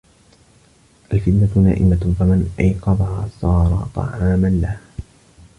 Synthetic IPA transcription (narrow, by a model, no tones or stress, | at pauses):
ʔalfɪt̪nat̪na̰ːʔɪmafamanʔajqɑd̪ˤɑhaːsˤɑːɾˤɑ̰t̪ˤɑ̰ʕaːmanlah